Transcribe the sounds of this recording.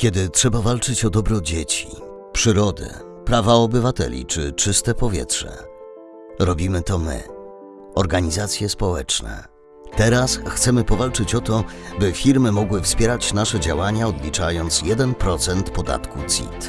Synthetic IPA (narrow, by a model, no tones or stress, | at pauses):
kʲɛd̪ɘtʂɛbavalt͡ʂɘt͡ɕɔd̪ɔbɾɔd͡ʑet͡ɕi̥ | pʂɘɾɔd̪ɘ̰ | pɾavaɔbɘvat̪ɛ̰lʲḭt͡ʂɘ̰t͡ʂɘst̪ɛpɔvʲjɛ̰tʂɛ̰ | ɾɔbʲimɘt̪ɔmɘ̰ | ɔɾɡaɲizat̪sʲjɛspɔwɛt͡ʂnɛ̰ | t̪ɛɾasxt̪sɛmɘpɔvalt͡ʂɘt͡ɕɔt̪ɔbɘfʲiɾmɘmɔɡwɘfspʲjɛɾat͡ɕnaʂɛd͡ʑa̰waɲaɔd̪lʲit͡ʂajɔnt̪sjɛd̪ɛnpɾɔt̪sɛnt̪pɔd̪a̰t̪kut̪sʲḭt̪